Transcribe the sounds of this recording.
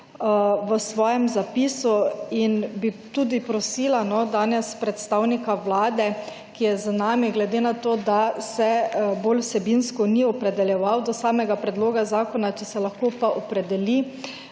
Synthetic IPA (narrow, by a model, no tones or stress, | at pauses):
ʋəsʋɔːjɛmzapisuinbit̪uːd̪ipɾɔsiːlanɔd̪aːnɛspɾɛt̪st̪awnikaʋlaːd̪ɛ | kijɛzanaːmiɡlɛd̪enat̪oːd̪asɛbolwsɛbinskɔniɔpɾɛd̪ɛljɛʋawd̪ɔsaːmɛɡapɾɛd̪loːɡazaːkɔnat͡ʃɛsɛlaxkoːpaʔɔpɾɛd̪ɛli